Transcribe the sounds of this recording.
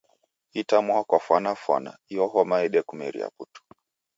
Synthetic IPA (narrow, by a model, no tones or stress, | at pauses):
itamwakwafwanafwa̰na̰iɔɦɔmaɛɗɛkumɛ̰ɾḭa̰putu̥